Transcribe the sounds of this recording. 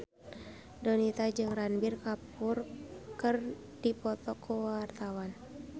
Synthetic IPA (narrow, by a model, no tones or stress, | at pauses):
dɔnit̪ad͡ʒɨŋranbɪrkapʊrkɨr | d̥ipɔt̪ɔkʰuwart̪awan